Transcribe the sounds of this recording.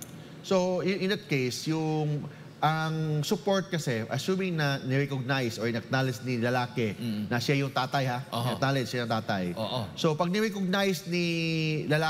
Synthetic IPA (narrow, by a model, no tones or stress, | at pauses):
soʊɪ̃nd̪ɐt̪̚kejsjʊŋ | ʔɐŋsʊpoɹt̪̚kɐsɛʔɐsuːmɪŋnɐnɪɾɛkoɡ̚najsoɹnɐk̚naːlɪsnilɐlaːkɛnɐsajʊŋt̪aːt̪ɐjhaʔonɐ̰kt̪aːlɛd͡ʒʃajɐŋt̪aːt̪ɐjosopɐɡ̚nɪɾɛkoɡ̚najsnilɐla